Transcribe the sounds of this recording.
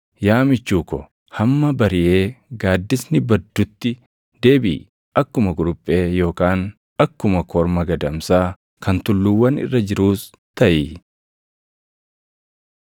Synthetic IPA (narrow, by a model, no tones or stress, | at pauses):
jaːmɪt͡ʃːuːkɔ̰ | hɐmːɐbɐɾɪjʔe̞ːɡaːd̪ːɪsnɪbɐd̪ːʊt̪ːɪ | d̪e̞ːbḭː | ʔɐkːʊmɐɡʊɾʊpʼːe̞ːjo̞ːkaːn | ɐkːʊmɐkʰɔɾmɐɡɐd̪ɐmsaː | kʰɐnt̪ʊlːuwːɐnɪ̰rːɐd͡ʒɪɾuːs | t̪ɐʔiː